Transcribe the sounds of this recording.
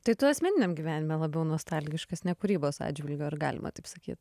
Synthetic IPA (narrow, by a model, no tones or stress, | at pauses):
t̪ɐɪt̪ʊɐsʲmʲɛnʲɪnʲɛmɡʲiːʋʲæːnʲɪmʲɛːlˠɐbʲɛʊnoːst̪ɑlʲɡʲɪʃkɐsnʲɛkʊɾʲiːboːsɑ̰ːd͡ʒʲʋʲɪlʲɡʲoːɪɾɡɑ̰ːlʲɪ̰mʔɐ̰t̪ɐɪpsɐkʲḭːt̪